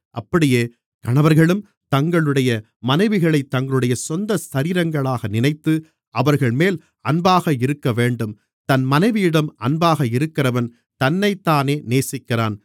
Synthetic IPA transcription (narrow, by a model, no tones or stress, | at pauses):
ʔɐpːɐɽɪjeː | kɐɳɐʋɐɾɣɐɭɯm | t̪ɐŋɡɐɭɯɽɐjɐ | mɐnɐɪʋɪɣɐɭɐɪt̪ːɐŋɡɐɭɯɽɐjɐsɔnd̪ɐsɐɾiːɾɐŋɡɐɭaːɣɐnɪnɐɪt̪ːɯ | ʔɐʋɐɾɣɐɭmeːl | ɐnbaːɣɐɪɾɯkːɐʋeːɳɖɯm | t̪ɐnmɐnɐɪʋɪjɪɽɐmʔɐnbaːɣɐɪɾɯkːɪrɐʋɐn | t̪ɐnːɐɪt̪ːaːneːneːsɪkːɪraːn